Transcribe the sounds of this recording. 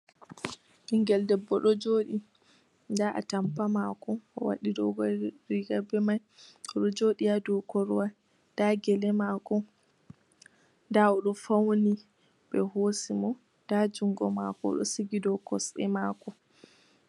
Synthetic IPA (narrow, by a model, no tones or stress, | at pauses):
hiŋɡɛldɛbːɔɗɔd͡ʒoːɗi | ndaʔa̰tampamakɔɔwa̰ɗidɔɡɔɾiɡabɛmaj | ɔɗɔd͡ʒoɗiadɔkɔɾwa | d̥aɡɛlɛmakɔ | ndaɔɗɔfawni | ɓɛhosimɔ | d̥ad͡ʒuŋɡɔmakɔ̰ɗɔ̰siɡidɔkɔsɛ̰makɔ